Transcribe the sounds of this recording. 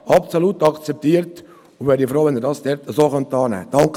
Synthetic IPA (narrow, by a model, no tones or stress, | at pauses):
ɑpsoluːtɑkt͡sɛp̚t̪iːəɾt | ʊnʋɛːɾdifɾoːʋɛnɪɾdɑːsd̥ɛɾt̪əzoːχœnt̪ɑːnɛ̰ːd̥ɑŋk